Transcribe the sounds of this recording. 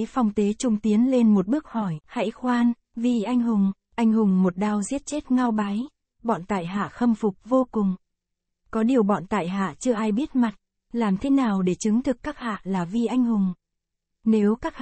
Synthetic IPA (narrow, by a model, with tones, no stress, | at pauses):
fa˧wŋ͡mt̪e˨˦t͡ɕʊ˧ŋ͡mt̪i˨˦ənle˧nmo˨˩t̚ɓɨ˦˥ək̚hɔ˧˩jha̰˧˥jxwaː˧n | vi˧˩ʔa˧jŋ̟ɦʊ˨˩ŋ͡m | ʔa˧jŋ̟hʊ˨˩ŋ͡mmo˨˩t̚ɗaː˧wzi˦˥ət̚t͡ɕe˦˥t̚ŋa˧wɓa˨˦j | ɓɔ̰˧˨nt̪a̰ː˧˨jɦa̰ː˧˨xə˧mfʊ˨˩k͡p̚vo˧kʊ˨˩ŋ͡m | kɔ˨˦ɗi˨˩əwɓɔ̰˧˨nt̪a̰ː˧˨jɦa̰ː˧˨t͡ɕɨ˧əʔaː˧jɓi˦˥ət̚ma˨˩t̚ | laː˨˩mt̪ʰe˨˦naː˨˩wɗe˧˩t͡ɕɨ˨˦ŋt̪ʰɨ˨˩kːaː˦˥k̚ha̰ː˧˨laː˨˩vi˧ʔa˧jŋ̟hʊ˨˩ŋ͡m | ne˨˦wkaː˦˥k̚